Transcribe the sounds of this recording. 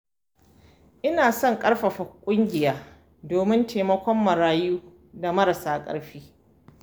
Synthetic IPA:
ʔɪ˦naː˨sɔ˦˨ŋkʼɐ˦ɽɸɐ˨ɸɐ˨kʷʼʊ˦ŋɡʲɪ˨jaː˦ | doː˨mɪ˦ntʰeː˨mɐ˦kʷɔ˦mːɐ˨ɾaː˦juː˦ | da˨mɐ˦ɾɐ˨saː˦kʼɐ̰˦ɽɸiː˦

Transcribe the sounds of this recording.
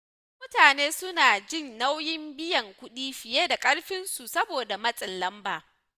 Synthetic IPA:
mʊ˦taː˨neː˦sʊ˦naː˨d͡ʒɪ˦˨nːa˦wjɪ˦mbɪ˦jɐ˨ŋkʷʊ˦ɗiː˦ɸɪ˨jeː˦da˨kʼɐ˦ɽɸɪ˦nsu˨sɐ˦boː˨da˨mɐ˦sʼɪ˨nlɐ˦mbaː˨

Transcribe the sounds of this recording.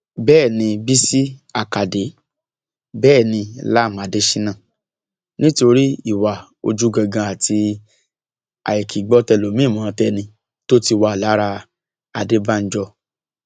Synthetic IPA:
bɛː˦˨nĩ˧bi˦si˦a˦˨ka˨de˨˦ | bɛː˦˨nĩ˧la˦˨mã˨˦de˦ʃĩ˦nã˦˨ | nĩ˦to˧ɾi˦i˦˨wa˨ | o̰˧d͡ʒu˦ɡã˧ɡã˧a˨ti˧ | a̰˨jɛ˨ki˨ɡ͡bɔ˦tɛ˧lo˨mĩ˦˨mã˨˦˧tɛ˧nĩ˧ | to˦ti˧wa˧˨la˨˦ɾa˧ | a˧de˦ba˦n̩˦d͡ʒɔ˧

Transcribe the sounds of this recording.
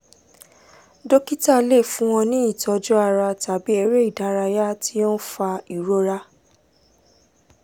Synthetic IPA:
do˦ki˦ta˦˨le˦˨fũ˦w̃ɔ̃˧nĩ˨˦i˦˨tɔ˧d͡ʒɔ˦a˧ɾa˧ta˨bi˨˦e˧ɾe˦i˦˨da˨˦ɾa˧ja˦ti˦ɔ̃˦fa˧i˨ɾo˦ɾa˦

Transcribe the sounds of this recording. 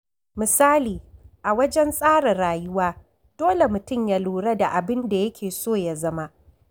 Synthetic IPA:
mɪ˨saː˦liː˨ʔa˨wɐ˦d͡ʒɛ˦nsʼaː˦ɽɐ˨ɽaː˨jʊ˦waː˦ | d̥oː˦le˨mʊ˨tʊ˦˨mja˦luː˨ɽɐ˦da˨ʔa˨bɪ˦nda˨jɐ˦kʲʰeː˨soː˦˨ja˨zɐ˦ma˦ʔ

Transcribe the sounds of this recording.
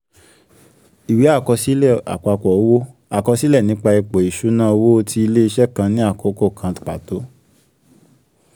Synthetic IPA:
i˨we˨˦a˦˨kɔ˧si˦lɛ˦˨a̰˨ka˧kɔ˨o˨˦wo˦a˨kɔ˧si˦lɛ˦˨nĩ˨˦k͡pa˧i˧k͡po˨i˨ʃu˨˦nãː˦o˧wo˦˧ti˧i˧le˦i˧ʃɛ˦kã˧nĩ˦a˦˨ko˨˦ko˦˨kʰã˧˨k͡pa˨to˨˦

